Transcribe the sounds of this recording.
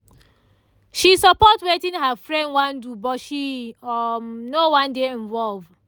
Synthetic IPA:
ʃisɔpɔtwetĩnɦafɹɛ̃ndwãndubɔtʃi | nowãndeɛ̃nvɔlv

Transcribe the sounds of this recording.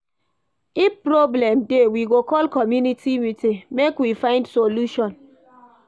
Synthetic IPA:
ipɾoblɛmdewiɡokɔlkɔmjunitimitemekwifãɪ̃ndsoluʃɔ̃n

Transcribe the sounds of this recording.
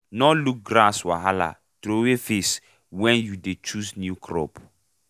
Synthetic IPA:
nɔ̃luk̚ɡɾaswa̰ɦala̰ | tɾowefes | wɛ̃njudet͡ʃusnjukʰɾɔ̰p

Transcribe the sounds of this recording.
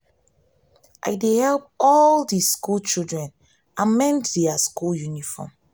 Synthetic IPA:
ʔa̰jdehɛlp̚ɔldiskult͡ʃilˠdɹɛ̃n | ãnmɛ̃ntdeaskuljunifɔ̰m

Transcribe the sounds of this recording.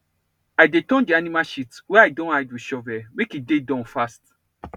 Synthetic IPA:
ajdetɔ̃ndianimaʃitwɛajdõnajdwiʃɔvɛmekidedɔ̃nfast

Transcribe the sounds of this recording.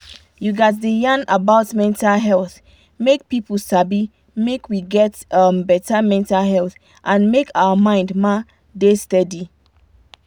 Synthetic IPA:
juɡat̚ðəjãnabaʊtmɛ̃ntalɦɛlˠθ | mek̚pipəl̩ˠsabi | mekʰwiɡɛtʌmbɛtamɛ̃ntalɦɛlˠθ | ʔãnmekʰaəmãɪ̃ndma | destɛdi

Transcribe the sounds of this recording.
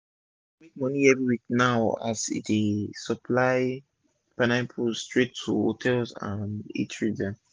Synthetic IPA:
mek̚mɔniɛvɹiwik̚naʊa̰sḭtesɔpʰlaɪ | panãpʰusstɹetʰːuho̰tʰɛlsã̰nḛtɹida

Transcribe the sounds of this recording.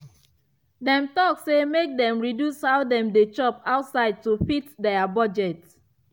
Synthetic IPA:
dɛ̃mtɔksemek̚dɛ̃mɹidjushaʊdɛ̃mdet͡ʃɔpaʊtsaɪd̚tufitdɛabɔd͡ʒɛt

